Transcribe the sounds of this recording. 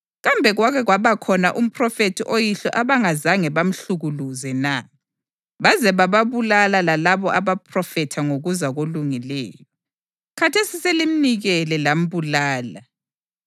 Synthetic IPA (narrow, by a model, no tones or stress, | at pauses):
ɣambʱɛɣwaɣɛɣwaβakʰɔnaʔum̩pʰrɔfetʰiʔojiɬɔ̰ʔaβaŋazaŋɛβam̩ɬuɣuluzɛna | βazɛβaβaβulalalalaβɔʔaβapʰrɔfɛtʰaŋoɣuzaɣoluŋilɛ̰ːjɔɔ | kʰatʰesiselim̩niɣɛlɛlam̩βulaːla